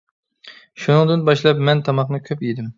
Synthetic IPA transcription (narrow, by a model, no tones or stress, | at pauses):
ʃunɨŋd̪ɨnbɑʃlˠɑpmɛnt̪ʰɑmɑχnɨkʲʰøpjid̪ɪm